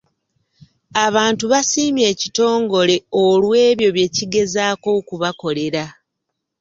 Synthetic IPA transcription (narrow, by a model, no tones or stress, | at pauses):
aβaːntuβasiːmje̞ːcito̞ːŋɡo̞le̞olwe̞ːβjo̞βje̞ciɡe̞zaːko̞kuβako̞le̞ɾa